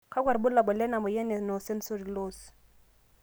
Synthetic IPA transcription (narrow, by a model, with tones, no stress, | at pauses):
kʰa˦kwa˨ɾɓʊ˦la˨ɓɔ˨lɛ˦na˨mɔ˨jɛ˦nɛ˨nɔ˨sɛ˦n˦so˦di˨loː˦˨s